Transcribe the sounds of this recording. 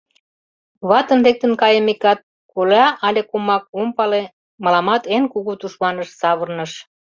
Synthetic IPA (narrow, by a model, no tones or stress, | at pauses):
βɑt̪ə̆nlek̚t̪ə̆nkɑjə̆mekɑt̪̚ | kulɑʔɑlʲekumɑk̚umpɑle | mɑlɑmɑt̪enkuɣut̪uʃmɑnəʃsɑβə̆rnəʃ